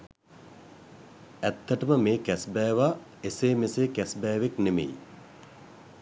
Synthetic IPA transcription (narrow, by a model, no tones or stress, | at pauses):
æt̪ːəʈəməmeːkæsbɛːʋa | eseːmeseːkæsbɛːʋeknemḛj